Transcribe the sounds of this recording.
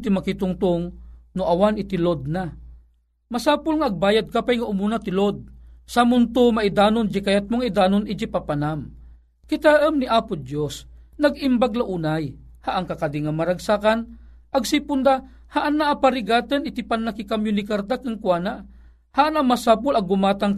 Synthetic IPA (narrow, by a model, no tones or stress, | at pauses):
t̪imakit̪ʊŋt̪ʊŋnʊʔawanɪt̪ilod̪̚na | masaːpʊlŋaːɡ̚baːjad̪̚kapajŋaʔʊmunat̪ɪlod̪̚samʊnt̪omaʔid̪aːnʊnd͡ʒikajat̪̚mʊŋaid̪aːnonid͡ʒipapanam | kit̪aʔəmniʔaːpʊd̪jos | naɡimbaɡlaʔuːnaj | haʔaŋkakad̪iŋamaɾaɡsakan | ɐɡsipʊnd̪a | haʔanːaʔːpaɾiɡaːt̪ənɪt̪ipanːakikamjʊnikaɾd̪akɨŋkwaːna | haʔanamasaːp̬ʊlɐɡʊmaːt̪aŋ